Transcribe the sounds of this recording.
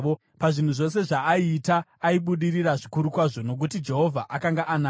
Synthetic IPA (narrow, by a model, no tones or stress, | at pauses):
o | paʐin̤uʐo̞se̞ʐaːiːtaːiɓuɗiriɾaʐikuɾukwaʐo̞no̞k̬utid͡ʒe̞ɦo̞vʱa̰ʔakaŋɡaʔana